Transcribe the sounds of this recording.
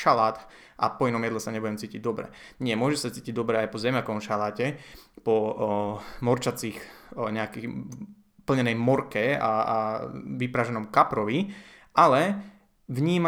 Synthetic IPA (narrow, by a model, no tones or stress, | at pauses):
ʃalaːt̪ | ʔa̰pɔinɔmjɛd̪lɛsaɲɛbuɟɛmt͡siːciɟ̚d̪ɔbɾɛ̰ɲɪɛmʊɔʒɛsat͡siːciɟd̪ɔbɾɛajpɔzɛmjakɔmʃalaːcɛpɔ | mɔɾt͡ʃat͡siːxɲɛakɛ | pl̩ɲɛnɛjmɔɾkɛa̰ | ʋipɾaʒɛnɔmkapɾɔʋi | alɛ | ʋɲiːma